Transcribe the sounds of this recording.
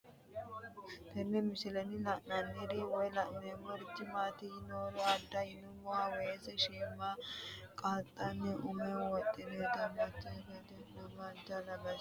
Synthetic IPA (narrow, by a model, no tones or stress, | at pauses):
t̪ɛnːɛmɪsɪlɛnɪlɐʔnɐnːed̪eːwɔjlɐʔnemɔɾd̪ɪmaːt̪iːnoːɾɔɐd̪ːɐɪnʊmʊwaːwɔjesɛʃeːmːaːkʼaːt̪ʼːɐnːɛʔʊmɛwɔt̪ʼːɪneːd̪ɐmɐt͡ʃːɛɡɐd̪ɛnɐmaːd͡ʒɐlɐbɐs